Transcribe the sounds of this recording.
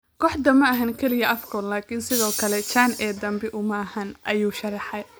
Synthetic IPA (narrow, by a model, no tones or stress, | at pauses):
kʰɔːħd̪ɐmɐɐɦɐŋkʰɛlɪjɐʔɐfkʰɔllaːkʰɪnsɪðɔːkʰɐlɛt͡ʃaːnʔɛːd̪ɐmbɪʔʊmɐɐhɐnʔɐjuːʃɐrɑħɑj